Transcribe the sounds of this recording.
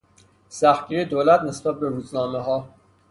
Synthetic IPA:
sæxɡiɾed̪oːlæt̪ne̞sbæt̪̚beɾuːznɒːmeɦɒː

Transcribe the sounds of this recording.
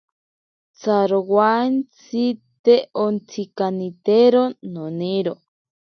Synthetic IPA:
t͡saɾowant͡sit̪eʔont͡sʰikanĩt̪eɾonõnĩɾo

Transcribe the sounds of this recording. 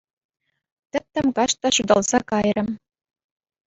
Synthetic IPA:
t̪ʲɘ̆p̚t̪ːɘ̆mkɑʂt̪ɑɕud̪ɑlˠz̥ɑkɑjrɤ̆m

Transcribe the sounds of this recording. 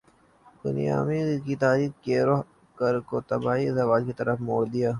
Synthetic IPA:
bʊ̰nḭja̰ːmikit̪aːɾiːxkeːɾo | kəɾkot̪ɐbaːizɐʋaːd͡ʒkit̪ɐɾəfmoːɽd̪ijaː

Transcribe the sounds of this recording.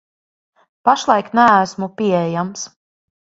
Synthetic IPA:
paʃlˠajknæːsmupiɛjams

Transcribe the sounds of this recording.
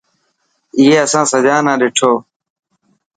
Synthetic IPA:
ɪɦeːəsãːsəd͡ʒaːnãːɗeːʈʰoː

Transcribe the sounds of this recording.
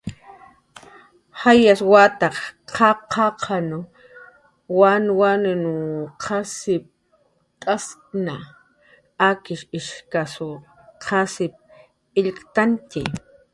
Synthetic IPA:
hajaswat̪aχqʰɑqʰɑqʰanʊ | wanwanʊnuqʰasɪp̚ | tʼaskna | akɪʃɪʃkasʊ | qʰasɪp̚ | ɪʎkt̪ant̪ɪ̰

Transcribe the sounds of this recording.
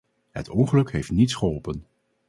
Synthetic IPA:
ɦə̰tʰɔŋχəlɵkɦejftnitsχəɦɔlˠpən

